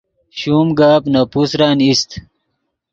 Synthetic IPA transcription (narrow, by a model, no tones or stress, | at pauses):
ɕuːmɡaːpnapusɾaːnist̪